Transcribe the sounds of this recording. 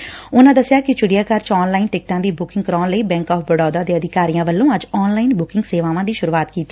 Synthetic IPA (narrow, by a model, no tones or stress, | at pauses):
ʊnãːd̪əsjaːkɪt͡ʃʊɽijaːkəɾt͡ʃɔːnlaːinʈɪk̚ʈãːd̪iːbʊkɪ̃ŋɡkəɾɔːnləiːbɛ̃ːŋkɔːpʰbəɽɔːd̪aːd̪eːəd̪ɪkaːɾijãːʋəlːõːəd͡ʒɔːnlaːinbʊkɪŋɡseːʋãːʋãːd̪iːʃʊɾuːaːt̪kiːt̪iː